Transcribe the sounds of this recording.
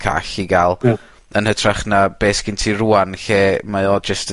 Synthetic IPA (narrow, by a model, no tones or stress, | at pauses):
kʰa̰ɬiɡalˠ | ənhətʰraχnab̥eːskʰɪntʰiruːanɬeːmaɨɔːd͡ʒəst